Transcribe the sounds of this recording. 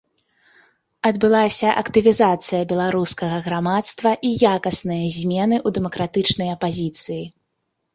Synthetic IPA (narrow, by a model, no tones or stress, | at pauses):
ɐd̪bɨlˠasʲɐʔɐkt̪ɨvʲizat̪sɨjɐbʲɛlˠaɾuskɐɣɐɣɾamat̪st̪vɐʔijakɐsnɨjɐzʲmʲɛnɨʔud̪ɛmɐkɾat̪ɨt͡ʂnɐjɐpazʲit̪sɨji